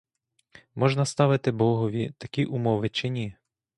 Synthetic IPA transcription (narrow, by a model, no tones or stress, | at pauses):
mɔʒnɐst̪ɑʋɪt̪ɪbɔɦɔʋʲit̪ɐkʲiʔumɔʋɪt͡ʃenʲi